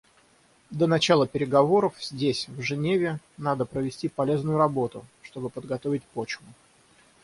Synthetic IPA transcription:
d̪ənɐt͡ɕalˠəpʲɪɾʲɪɡɐvo̞ɾəfz̥ʲdʲesʲvʐɨnʲevʲɪ | nad̪əpɾəvʲɪsʲtʲipɐlʲe̞znʊjʊɾɐbo̞t̪ʊʂt̪o̞bɨpəd̪ɡɐt̪o̞vʲɪtʲpo̞t͡ɕvʊ

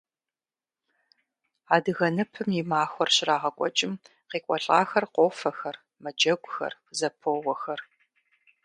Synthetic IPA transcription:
aːdɨɣɐnɨpʰɨmjimaːxʷɔrɕɪraːʁɐkʷʼɔ̰t͡ʃʼɪm | qiːkʷʼɔɬʼaːxɐrqʷoːfɐxɐr | mɐd͡ʒɐɡʷʊxɐ̰r | zɐpʰoːwɔxɐr

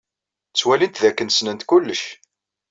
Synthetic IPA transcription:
t͡sːwælint̪ðækːənsnənt̪kulːəʃ

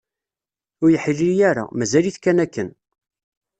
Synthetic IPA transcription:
ʊɾjəħilːiɾjæɾa̰mæzæliθkænækːən

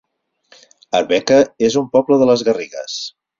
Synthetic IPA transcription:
ə̰ɾβɛkəezumpɔbləðələzɣəriɣə̰s

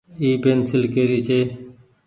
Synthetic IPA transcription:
iːpeːnsɪlkeːɾiːt͡ʃʰeː

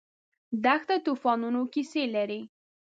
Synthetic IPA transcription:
d̪axt̪at̪ufɑnunokiselaɾi

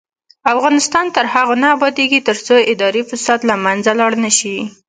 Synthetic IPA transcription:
afɣɑnɪst̪ɑnt̪əɾhaɣonaːbɑd̪eɡit̪əɾt͡soɪd̪ɑɾifasɑt̪lamanzalɑɽnəʃi

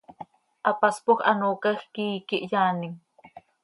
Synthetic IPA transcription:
ʔapaspoχa̰noːkɑχkijkɪʔjaːnɪŋ

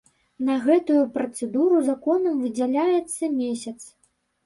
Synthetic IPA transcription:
nɐɣɛt̪ujupɾɐt̪sɛd̪uɾuzakɔnɐmvɨd͡zʲalʲajɛt̪sːɐmʲesʲɐt̪s

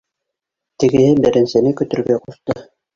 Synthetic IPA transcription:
t̪ɘ̆ɡɘ̆hɘbɘ̆ɾɘ̆nsɘ̆nɘkɵ̆t̪ɵ̆ɾɡæquʃt̪ɤ

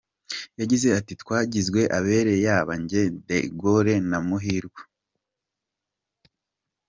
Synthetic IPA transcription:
jaɟize̞atitkwaːɟizɡwe̞ʔaβe̞ɾe̞jaβaɲɟe̞dḛɡoɾe̞namuɦiɾɡwḁ

